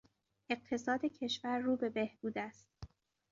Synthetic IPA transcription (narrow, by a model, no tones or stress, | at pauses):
ʔe̞ɢ̚t̪ʰe̞sɒːd̪ecʰe̞ʃvæɾːuːbe̞be̞hbuːd̪æst̪